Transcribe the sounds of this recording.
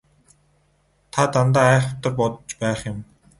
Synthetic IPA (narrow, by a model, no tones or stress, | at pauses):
t̪ʰat̪ant̪aːæːχʊt̪ə̆rpɔt̪ɞ̥̆t͡ɕpæːχjʊ̆m